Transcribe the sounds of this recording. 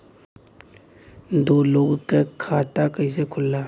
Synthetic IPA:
d̪oːloːɡkekʰaːt̪akəɪs̬ekʰʊlːaː

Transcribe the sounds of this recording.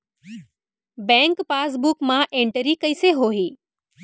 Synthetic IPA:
bɛ̃ŋkpaːs̬bukmãʔẽɳʈəɾikɐiseɦoːɦiː

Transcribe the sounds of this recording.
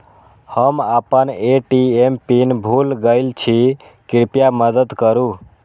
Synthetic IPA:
həmapəneʈiempinbʱulɡəɪlt͡ʃʰi | kiɾpijaməd̪əd̪kəɾu

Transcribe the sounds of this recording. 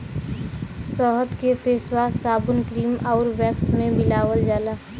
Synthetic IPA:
səɦəd̪kefʰeːswasaːbʊnkɾiːmaʊɾʋɛksmẽbɪlaːwəld͡ʒaːlaː

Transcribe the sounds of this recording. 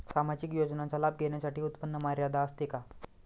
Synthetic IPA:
samad͡ʑikjod͡ʑnat͡salabɡʱeɳjasaʈiːut̪pənːəmaɾjad̪ʱaəst̪eka

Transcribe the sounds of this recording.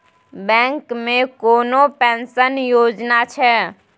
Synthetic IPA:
bɛ̃ːŋkmẽkoːnopɛ̃ːnsənjoːd͡ʒnat͡ʃʰɛ

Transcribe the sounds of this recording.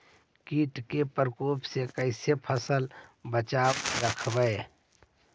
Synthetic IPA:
kiːʈkepəɾkoːpsekəɪsepʰəsəlbət͡ʃaːbɾəkʰbəe

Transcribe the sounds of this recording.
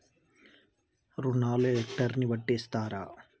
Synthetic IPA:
ɾunaːleekʈɐɾniʋɐʈːeːst̪aːɾa̰ː

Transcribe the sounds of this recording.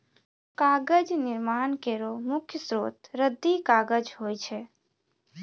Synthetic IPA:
kaːɡəd͡ʒnɪɾmaːnkeɾomʊkʰjəsɾoːt̪ɾəd̪ːikaːɡəd͡ʒɦojt͡ʃʰɛ

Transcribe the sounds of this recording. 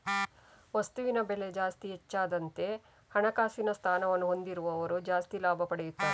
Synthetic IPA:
ʋɐst̪uʋinɐbele̞d͡ʒaːst̪iɦɛt͡ʃːaːd̪ɐnt̪e̞ | hɐɳɐkaːsinɐst̪ʰaːnɐʋɐnːuɦo̞nd̪iɾuʋɐːʋɐɾud͡ʒaːst̪ilaːbʱɐpɐɽejut̪ːɐʋe

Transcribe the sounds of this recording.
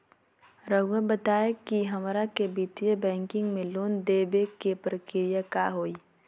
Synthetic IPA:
ɾɐɡwebət̪aːekiɦɐmɾakebiːt̪ʋebɛ̃ːŋkɪ̃ŋɡmẽloːnd̪eːbekepɾəkɪɾijaka̰ɦoːi

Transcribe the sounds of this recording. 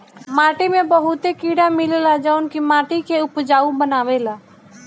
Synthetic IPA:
maːʈiːmẽbəɦʊt̪ekiːɽãːmɪlelad͡ʒaːʊnkimaːʈiːkʰeːʊpd͡ʒaːũbənaːʋeːlaː

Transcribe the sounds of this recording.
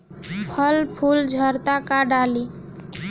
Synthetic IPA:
pʰəlpʰuld͡ʒʱəɾt̪akaɖali

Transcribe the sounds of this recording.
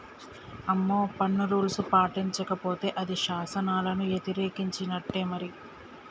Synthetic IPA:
ɐmːoːpɐnːɐɾuːlsupaːʈiɲt͡ʃɐkɐpo̞ːt̪e̞ːʔɐd̪iʃaːsɐnaːlɐnujet̪iɾeːkiɲt͡ʃinɐʈːeːmɐɾi

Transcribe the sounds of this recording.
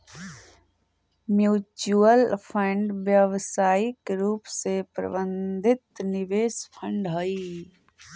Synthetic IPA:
mjuːt͡ʃuəlpʰə̃ɳɖʋjəʋsaːɪkɾuːpsepɾɐ̰bə̃nd̪ʱɪt̪nɪʋeːspʰə̃ɳɖɦoiː

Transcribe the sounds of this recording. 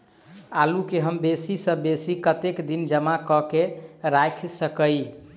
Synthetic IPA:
alukeɦəmbesisə̃besikət̪ekd̪ind͡ʒəmakɔkeɾajkʰsəkəj

